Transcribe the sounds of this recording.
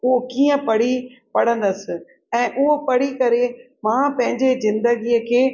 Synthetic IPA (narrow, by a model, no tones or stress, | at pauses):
ʊɦokiːə̃pɐɽ̤ipɐɽ̤ə̃n̆d̪əsɪ̆ | ɛ̃ːʔʊɦopɐɽikɐɾe | mãːpɐ̃ɦɪ̃ɲd͡ʑezɪ̃nd̪əɡiːəkʰeː